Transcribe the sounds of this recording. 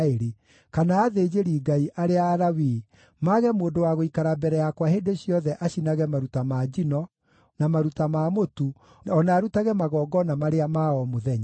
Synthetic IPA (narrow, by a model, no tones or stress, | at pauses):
eɾe | kanaːðeːd͡ʑeɾiːɡaiʔaɾeaːɾawiː | maɣɛmoːdowaɣoikaɾabɛɾɛjakwahedeɕjɔðɛʔaɕinaɣɛmaɾutamad͡ʑinɔ | namaɾutamamotu | ɔnaːɾutaɣɛmaɣɔːɡɔnamaɾeamaɔmoðɛɲa